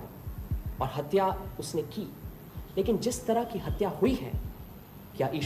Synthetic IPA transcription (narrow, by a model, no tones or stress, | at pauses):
ɔːɾɦɐt̪jaʊsnekiː | leːkɪnd͡ʒɪst̪ɐɾaɦkiɦɐt̪jahuiɦɛ̰ː | kjaʔiːʃ